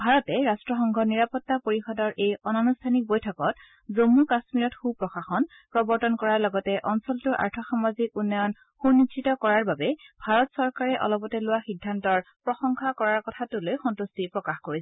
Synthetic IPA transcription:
bʱaɹɔtɛɹastɹɔxɔŋɡʱɔniɹapɔtːapoɹixɔdɔɹʔejɔnɔnustʰanik̚bojtʰɔkɔt | zomːukasmiɹɔtxupɹɔxaxɔn | pɹɔbɔɹtɔnkɔɹaɹlɔɡɔtɛʔɔnsɔltʊɹʔa̰ɹtʰɔxamazikunːɔjɔn | xunititɔkɔɹaɹbabɛbʱaɹɔtsɔɹkaɹɛʔɔ̰lɔpɔtɛlʊwaxidʱːantɔɹpɹɔxɔŋkʰakɔɹaɹkɔtʰatʊlojxɔntustipɹɔkaxkoɹisɛ̥

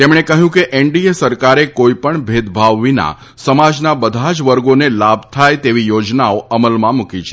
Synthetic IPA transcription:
t̪emɳ̃ekəɦjũkeʔeɳɖiesəɾkaɾekoipəɳbʱed̪bʱaʋːina̰ | səmad͡ʒnabəd̪ʱad͡ʒʋəɾɡonelabʱt̪ʰajt̪eʋijod͡ʒnaoʔəməlmãmukit͡ʃʰe̥

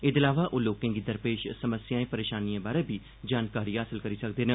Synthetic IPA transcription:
ɪd̪ɪlaːʋaːʔoːloːkẽːɡiːd̪əɾpeːʃsəməsjaːẽːpəɾeːʃaːniãːbaːɾeːbʱiː | d͡ʒaːnkaːɾiːɦaːsɪlkəɾiːsəkd̪eːnẽː

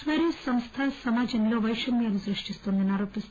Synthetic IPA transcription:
ʋɐɾjisɐmst̪ʰaːsɐmaːd͡ʒɐmlo̞ːʋɐjʂɐmjaːlusɾɨʂʈist̪oːnd̪ɐniaːɾoːpist̪

